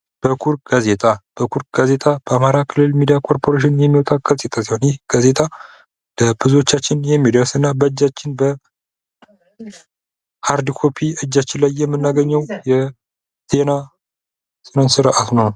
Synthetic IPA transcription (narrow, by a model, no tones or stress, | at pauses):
b̥əkʰuɾɡ̥aze̞t̪ʼab̥əkʰuɾ̚ɡ̥aze̞t̪ʼab̥əamaɾakʰɨlːɨlmid̪ijakʰo̞ɾpʰo̞ɾeʃ̬ɪnjɛmːiwɔt̪ʼaɡazʼe̞t̪ʼʰasiho̞njɪhɡ̥aze̞t̪ʼa | d̪əbɨzwo̞t͡ʃːat͡ʃːɪnjɛmːid̪əɾsɨnːabəɨd͡ʒːat͡ʃːɪnbə | haɾd̪ikʰo̞pʰiɨd͡ʒːat͡ʃːɪnlajːɛmːɨnːaɡəɲːɛwjɛ | sena | senonsɨɾʔat̪nəw